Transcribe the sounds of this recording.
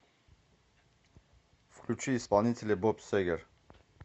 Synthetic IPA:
fkʰlʲut͡ʃʰiːspalˠnit̪ʰɛlɛbɔpsɛɡɛɾ

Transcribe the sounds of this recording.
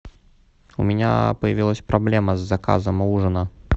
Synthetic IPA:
ṵmʲɪnʲa̰pəjavʲilˠəsʲpɾʔablʲɛməzːɐka̰zəmuʐɨnə

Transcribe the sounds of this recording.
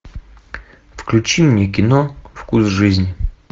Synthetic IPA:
fklʲʉt͡ɕinʲək̬ʲɪnofkusʐɨzʲnʲɪ

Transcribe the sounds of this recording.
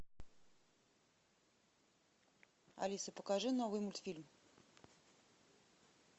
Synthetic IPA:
ɐ̰lʲisəpəkɐʐɨnovɨjmʊlʲt̪fʲilʲm

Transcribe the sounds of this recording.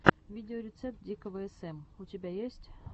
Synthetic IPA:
vʲidʲɪoɾʲɪt̪sɛp̚t̪̚dʲikəvəɛsɛmutʲɪbʲæjesʲtʲ

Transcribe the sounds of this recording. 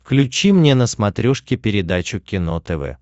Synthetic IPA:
fklʲʉt͡ɕimnʲenəsmɐt̪ɾʲoʂkʲɪpʲɪɾʲɪd̪at͡ɕʊkʲɪnot̪ɛvɛ̰

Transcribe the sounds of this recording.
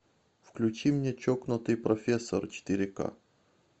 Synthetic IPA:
fklʲʉt͡ɕimnʲet͡ɕoknʊt̪ɨjpɾɐfʲesːə̰rt͡ɕɪ̥t̪ʲɪɾʲɪka̰

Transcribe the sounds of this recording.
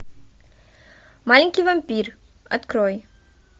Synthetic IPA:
maliŋkivəmpir | ə̰t̪kɾɔj

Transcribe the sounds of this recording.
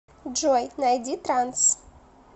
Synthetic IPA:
d͡ʒojnajdʲit̪ɾans

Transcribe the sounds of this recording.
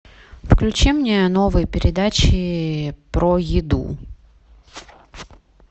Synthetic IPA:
fklʲʉt͡ɕimnʲeno̞vɨjpʲɪɾʲɪd̪at͡ɕɪpɾojɪd̪ṵ

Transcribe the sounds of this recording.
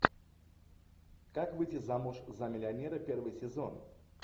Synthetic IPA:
kakvɨtʲɪzamʊʂzɐmʲɪlʲɪɐnʲeɾəpʲervɨjsʲɪzo̞̰n

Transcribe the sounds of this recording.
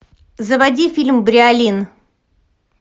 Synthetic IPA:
zəvɐdʲifʲilʲmbɾʲɪalʲin

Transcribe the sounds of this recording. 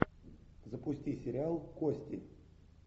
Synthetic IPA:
zəpʊsʲtʲisʲɪɾʲɪalˠkosʲtʲɪ̰

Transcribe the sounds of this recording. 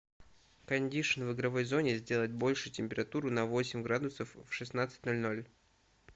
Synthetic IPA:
kɐnʲdʲiʂɨnvɨɡɾɐvo̞jzo̞nʲɪzʲdʲe̞lˠət̚ʲbo̞lʲʂɨtʲɪmʲpʲɪɾɐt̪uɾʊnɐvo̞sʲɪmʲɡɾad̪ʊsəfːʂɨsnat̪sɨ̥tʲno̞lʲno̞lʲ

